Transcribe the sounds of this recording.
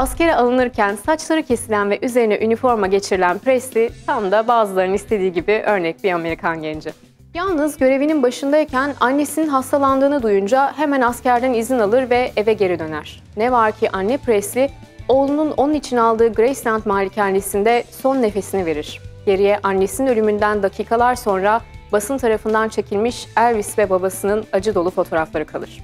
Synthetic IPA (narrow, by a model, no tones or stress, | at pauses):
asce̞ɾɛalˠɯnɯɾcʰænsat͡ʃlˠaɾɯcʰe̞silʲænvɛʔyze̞ɾinɛʔynifo̞ɾmaɟe̞t͡ʃʰiɾilʲænpɾesit̪ʰamd̪abaːzɯlˠaɾɯnist̪ʰe̞d̪iːɟibiʔø̞ɾnɛc̚biame̞ɾikʰanɟɛnd͡ʒi | jalˠnɯzɟø̞ɾe̞vininbaʃɯnd̪ajicʰænanːesininɦast̪ʰalˠand̪ɯːnɯd̪ujund͡ʒaɦe̞mænascæɾd̪ænizinalˠɯɾvɛʔevɛɟe̞ɾid̪ø̞næɾ̥ | nɛvaɾcʰiʔanːɛpʰɾɛsʲi | o̞ːlˠununʔonnit͡ʃʰinalˠd̪ɯːɡɾejslʲænt̪maːlʲːicʰanːesind̪ɛso̞nːe̞fe̞sinive̞ɾiɾ̝̥ɟ̥e̞ɾijɛʔanːesinnø̞lʲymynd̪ænd̪acʰiːkʰalˠaɾso̞nɾabasɯnt̪ʰaɾafɯnd̪ant͡ʃʰe̞cʰilʲmiʃæɾvisvɛbabasɯnɯnad͡ʒɯd̪o̞lˠufo̞t̪ʰo̞ɾaflˠaɾɯkʰalˠɯɾ̥